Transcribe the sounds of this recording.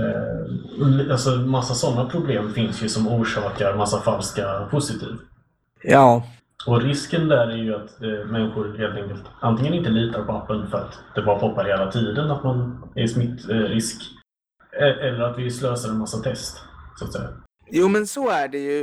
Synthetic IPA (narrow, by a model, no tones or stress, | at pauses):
alsɔmasːasɔnːapʰɾʊbleːmfɪnsjɵsɔmuːʂɑːkaɾmasːafalskapʰʊsɪt̪ʰḭːv | jɑː | ɔɾɪskənd̪æɾæɾjɵat̪mɛnːɪɧʊɾheːlt̪ɛŋkəlt̪ant̪ɪŋːənɪnt̪əliːt̪aɾpʰɔapːənfœɾat̪d̪̥ɛbɑːɾapʰɔpːaɾheːlat̪ʰiːd̪ənat̪manɛɾsmɪt̪ːɾɪsk | ɛʔɛlːəɾat̪vɪsløːsaɾɛnmasːat̪ʰɛst̪sat̪sɛ̰jːa̰ | juːmɛnsɔæɖɛjɵ